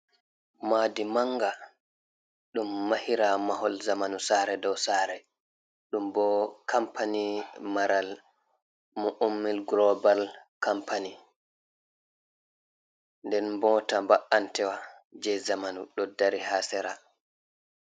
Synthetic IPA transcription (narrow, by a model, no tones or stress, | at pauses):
maːdimaŋɡa | ɗumːahiɾamaɦɔlzamanusaɾɛdɔwsaːɾɛ | ɗumbɔkʰampanimaɾal | muʔomːilɡlɔbalkampʰani | ndɛnbɔːtambaʔantɛwa | d͡ʒɛzamanuɗɔdaɾihaːsɛɾa